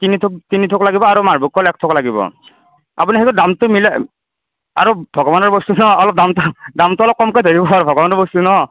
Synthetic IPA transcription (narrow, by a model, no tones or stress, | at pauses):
tinitʰʊk̚tinitʰʊklaɡibɔaɹumaɹbukɔlɛk̚tʰɔklaɡibɔ̰ | a̰punixekdamtʊmilɛ | a̰ɹubʱɔɡɔbanɔɹbɔstunɔɔlɔp̚damtʊdamtʊɔlɔp̚kɔmkojdʱeɹibɔaɹubʱɔɡɔbanɔɹbɔstunɔ